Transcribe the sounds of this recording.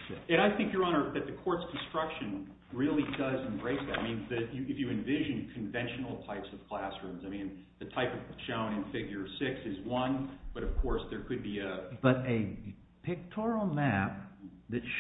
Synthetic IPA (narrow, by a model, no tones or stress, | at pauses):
ɨ̃ɾ̃aɪθɪ̃ŋkjə˞ɑɾ̃ə˞ðɨt̪̚ðɨkʰɔɹtskʰn̩stɹ̥ʌkʃɨ̃n | ɹɪlˠidʌzɨ̃mbɹeɪsðɨɾaɪmĩnðɨjɨɨfjɨɨ̃ɱvɪʒɨ̃nkʰɨ̃ɱvɛ̃nʃn̩l̩ˠtʰaɪpsʌv̥kʰl̥æsɹʉ̃mzaɪmĩn | ðɨtʰaɪpʌv̥t͡ʃʰõʊ̃ñɨ̃nfɪɡjə˞sɪksɨzwʌ̃nb̥ʌɾʌv̥kʰɔɹsðə˞kʰɨd̚biɨb̥ʌɾɨ | pʰɨk̚tʰɔɹil̩ˠmæp̚ | ðɨtʃ